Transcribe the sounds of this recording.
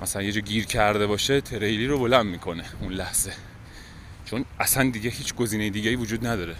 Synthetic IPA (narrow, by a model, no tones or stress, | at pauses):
mæsælænje̞d͡ʒɒːɟiːɾcʰæɾd̪e̞βɒːʃet̪ʰe̞ɾejliːɾo̞bo̞lænd̪miːkʰo̞ne̞unlæhz̥e̞ | t͡ʃʰo̞næsænd̪iɟehiːt͡ʃʰɡo̞ziːnejed̪iːɟeiːvod͡ʒuːd̪næd̪ɒːɾe